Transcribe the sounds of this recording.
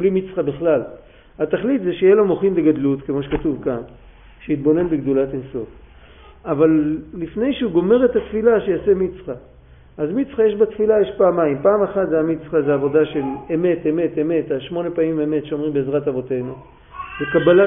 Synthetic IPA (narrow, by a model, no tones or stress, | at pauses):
blimit͡sχabiχlal | at̪aχlit̪zeʃejelamo̞χinbeɡadlut̪kemo̞ʃekatuvkan | ʃeit̪̚bo̞ne̞nbeɡd̪ulatenso̞f | avalːifne̞jʃeuɡo̞me̞ʁet̪atfilaʃejasemit͡sχa | ʔazmit͡sχajeʃbat̪filajeʃpaːmaimpaːmaχat̪zeamit͡sχazeaːvo̞daʃe̞leme̞t̪eme̞t̪e̞me̞t̪aʃmo̞ne̞paimeme̞t̪ʃeo̞mʁimbeːzʁatavo̞te̞jnu | zekabala